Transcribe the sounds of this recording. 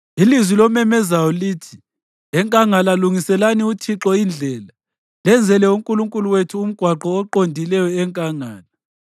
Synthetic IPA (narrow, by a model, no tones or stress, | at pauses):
ilizwilɔmɛmɛzajɔliːtʰi | ɛŋkʼaŋalaluŋisɛlaniutʰiǁɔind͡ɮʱɛːla | lɛnd͡zʱɛlɛuŋkʼuluŋkʼuluwetʰuːm̩ɡ̥ʱwaǃɔːǃondʱilɛjɔɛŋkʼaŋaːla